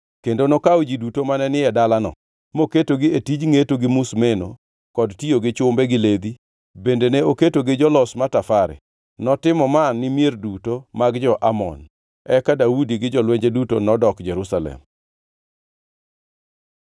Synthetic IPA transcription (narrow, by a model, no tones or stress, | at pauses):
kendonokawd͡ʒidutomanɛnɪɛdalanɔ̰ | moketoɡɪetid͡ʒŋetoɡɪmusmeno̰ | kɔdtioɡɪt͡ʃʊmbɛɡɪled̪i | bendeneoketoɡɪd͡ʒɔlɔsmatafaɾɛ̰ | nɔtɪmɔmanːɪmjerdutomaɡd͡ʒɔʔamɔ̰n | ɛkadaudiɡɪd͡ʒɔlweɲd͡ʒedutonɔdɔkd͡ʒeɾusalɛ̰m